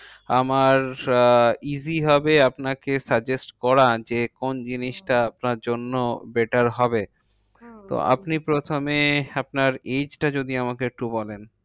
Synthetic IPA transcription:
amaɾ | iziɦɔbeapnakesad͡ʑesʈkɔɾad͡ʑekond͡ʑiniʃʈaap̚naɾd͡ʑonːobeʈaɾɦɔbe | t̪o̰a̰pnipɾot̪ʰomeapnaɾed͡ʑʈad͡ʑod̪iamakeek̚ʈubɔlen

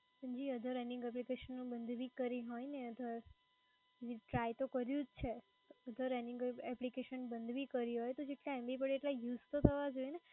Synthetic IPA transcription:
sənd͡ʒiəd̪ʱəɾɛnĩŋɡɛp̬likeʃənːũbənd̪ʱʋikəɾiɦɔjneəd̪ʱəɾ | d͡ʒiʈɾajt̪okəɾjũd͡ʒt͡ʃʰe | əd̪ʱəɾɛnɪŋɡɛplikeʃənbənd̪ʱʋikəɾiɦɔjt̪od͡ʒeʈlaɛmbipəɽeʈlajuzt̪ot̪ʰəʋad͡ʒojne

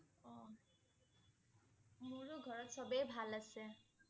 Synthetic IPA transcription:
ɔ | muɹuɡʱɔɹɔtsɔbejbʱalasɛ

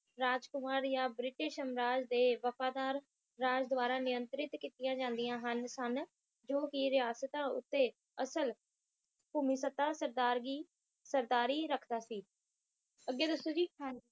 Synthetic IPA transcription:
ɾaːd͡ʒkʊmaːɾjãːbɾɪʈɪʃəmɾaːd͡ʒd̪eːʋəpʰaːd̪aːɾː | aːd͡ʒd̪ʊaːɾaːnɪjənt̪ɾɪt̪kiːt̪ɪjãːd͡ʒãːnd̪ɪjãːɦənsən | d͡ʒoːkɪɾɪjaːsət̪ãːʊ̰t̪ːeː | əsəl | puːmiːsət̪aːsəɾd̪aːɾɡiː | səɾd̪aːɾiːɾəkʰd̪aːsiː | əɡːeːd̪əsːõːd͡ʒiː

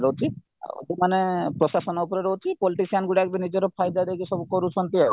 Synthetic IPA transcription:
ɾɔwt͡ʃ̪ʰḭ | d̪imanepɾɔsasɔnɔupɔɾeɾɔwt͡ʃ̪ʰipɔliʈisianɡuɽiakbenid͡ʒɔɾɔpʰajd̪ad̪eɡisɔbukɔɾut͡ʃʰɔnt̪ia

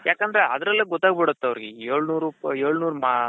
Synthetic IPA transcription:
jaːkɐnd̪ɾeɐd̪ɾɐlːɐɡɔt̪ːaːɡ̚bɛɽɐt̪ːeɐʋɾɡeeːɭnuːɾuːpeːɭnuːɾma

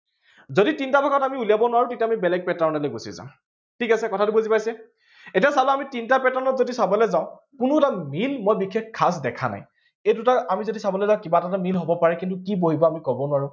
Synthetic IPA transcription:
zoditintabʱɔkɔtamiulijabɔnʊaɹutetamibɛlɛɡ̚pɛtaɹnɛleɡosḭzã̰ʊ̃ | tʰikasɛkɔtʰatubozipajsɛ | etiasalʊamitintapɛtanɔtzodisabɔlɛzãʊ̃ | kʊnuɛtamilmojbikʰːek̚kʰːas̬dɛkʰa̰na̰j | ejdʊtaamizodisabɔlɛzãʊ̃kibatatamilɦobɔpaɹɛkintukiboɦibɔamikɔbɔnʊwaɹʊ

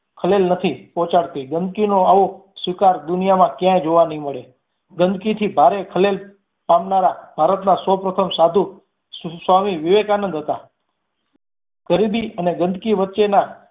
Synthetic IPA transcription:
kʰəlelnət̪ʰipɔ̃t͡ʃaɽt̪iɡənd̪̚kinoaʋosʋikaɾd̪ʊnijamãkjãjd͡ʒoʋanəɦĩməɭe | ɡənd̪kit̪ʰibʱaɾekʰəlel | pamnaɾab̥ʱaɾət̪nasəwpɾət̪ʰəmsad̪ʱu | sʋamiʋiʋekanənd̪ɦət̪a | ɡ̥əɾibiəneɡənd̪kiʋətːʃena

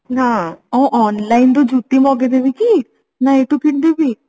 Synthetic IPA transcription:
nãːɔũʔɔːnlaːind̪od͡ʒuːt̪ːimɔːɡed̪ebiki | nãeʈukʰɪʈd̪ebiː

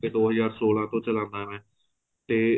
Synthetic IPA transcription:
eːd̪oːɦəzaːɾsoːlãːt̪õːt͡ʃəlãːnd̪aːmɛ̃ː | t̪eː

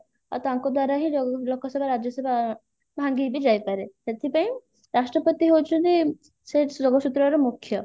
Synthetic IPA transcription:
a̰ɾt̪aŋkɔd̪waɾaɦiɔlokɔsɔbʱaɾad͡ʒjɔsɔbʱa | bʱaŋɡibid͡ʒajpaɾeset̪ʰipaĩ | ɾasʈɾɔpɔt̪iɦowt͡ʃʰunt̪i | sed͡ʒɔɡɔsut̪ɾɔɾɔmukʰːjɔ

